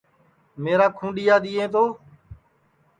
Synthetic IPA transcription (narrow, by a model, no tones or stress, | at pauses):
meːɾaːkʰũːɗɪjaːd̪iːẽːt̪oː